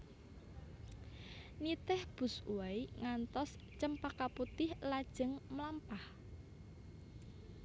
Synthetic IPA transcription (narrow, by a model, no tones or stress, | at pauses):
nit̪ɛhb̥ṳsuwajŋant̪ɔst͡ʃəmpakaput̪ɪhlad̥ʒ̥ə̤ŋmlampah